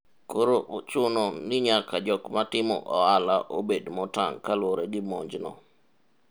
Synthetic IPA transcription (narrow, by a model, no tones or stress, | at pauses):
koɾoʔot͡ʃʊnonɪɲakad͡ʒɔkmatɪmɔ̰ʔɔalaʔobedmɔta̰ŋkalwoɾeɡɪmɔɲd͡ʒnɔ̰